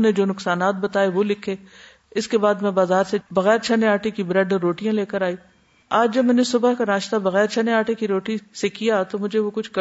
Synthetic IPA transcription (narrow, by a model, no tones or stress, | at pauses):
ned͡ʒoːnʊksaːnaːt̪̚bɐt̪aːeʋolɪkʰeː | ɪskebaːd̪mɛ̃baːzaːɾsebɐɣɛːɾt͡ʃʰɐneaːʈekibɾɛɖɔɾːoːʈijãleːkəɾaːiː | aːd͡ʒd͡ʒɐbmɛ̃ːnesʊbakanaːʃt̪abɐɣɛːɾt͡ʃʰɐneaːʈekiɾoːʈisekijat̪omʊd͡ʒʱeʋokʊt͡ʃʰk